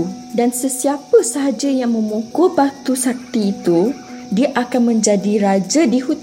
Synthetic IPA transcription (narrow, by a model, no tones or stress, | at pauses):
dansəsiapəsaɦad͡ʒajaŋmə̃mokobak̚t̪usak̚t̪iːt̪u | diaʔakanmə̃ɲd͡ʒadiɾad͡ʒadihut̪